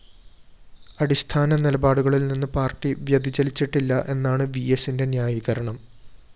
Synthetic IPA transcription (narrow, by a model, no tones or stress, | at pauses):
ɐɽist̪ʰaːnɐnilɐbaːɽuɣɐɭilninːɨpaːrʈːiʋjɐd̪ʱit͡ɕɐlit͡ɕːiʈːilːɐʔe̞nːaːɳɨʋijesinde̞njaːjiɣɐɾɐɳɐm